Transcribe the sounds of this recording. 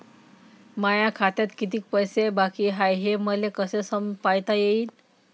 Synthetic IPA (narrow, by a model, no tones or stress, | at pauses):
majakʰat̪jat̪kit̪iːk̚pəjsebakiɦajɦeməlekəsesəmpajt̪ajeiːn